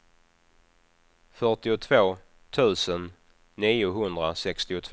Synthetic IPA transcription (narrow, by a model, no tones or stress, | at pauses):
fœʈɪʊt̪ʰvoː | t̪ʰʉ̟ːsənː | iːʊɦɵnd̪ɾasɛkst̪ɪʊt̪ʰv